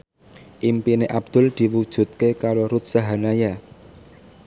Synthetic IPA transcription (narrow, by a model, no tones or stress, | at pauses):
ʔimpineʔab̚d̪̥ʊ̤ld̪̥i̤wud̥ʒ̥ṳt̪̚kekaɾoɾʊt̪̚saɦanaja